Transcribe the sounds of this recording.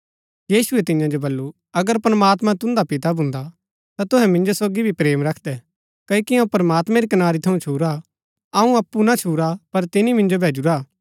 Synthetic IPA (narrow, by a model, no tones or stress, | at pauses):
jiːsuɛt̪ɪ̃jãd͡ʒobɐlːu | ɐɡəɾpɾɐmaːt̪mãt̪ʊ̃nd̪apɪt̪abʱʊ̃nd̪a | t̪at̪ʊɦɛmɪ̃nd͡ʒosoːɡibʱipɾeːmɾɐkʰd̪ɛ | kɐikiɐ̃ũpɾəmaːt̪mɛ̃ɾikɐnaːɾit̪ʰɐũt͡ʃʰuːɾa | ɐũɐpːunat͡ʃʰuːɾapɐɾt̪ɪnimɪ̃nd͡ʒobʱeːd͡ʒuɾaː